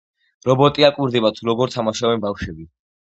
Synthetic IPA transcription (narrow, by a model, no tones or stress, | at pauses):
ɾɔbɔt̪ʼiakʼwiɾd̪ɛbat̪ʰuɾɔɡɔɾt̪ʰamaʃavɛnbafʃwɛbi